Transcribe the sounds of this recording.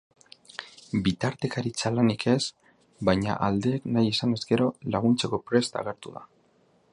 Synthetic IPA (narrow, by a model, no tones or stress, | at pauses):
bit̪aɾt̪e̞kaɾit͡salanikʰe̞s | bajɲa̰ʔald̪e̞ːknajesane̞zɡe̞ɾo̞laɣ̞unt͡se̞ko̞pɾe̞st̪a̰ɣ̞e̞ɾt̪uða̰